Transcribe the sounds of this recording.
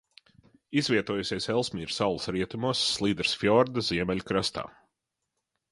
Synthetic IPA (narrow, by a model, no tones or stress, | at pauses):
izvʲiɛt̪uɔjusʲiɛsɛlˠsmʲiːɾsawlˠsɾiɛt̪umusːlˠiːd̪ɾsfjɔɾd̪ɐziɛmɛlʲukɾast̪a̰ː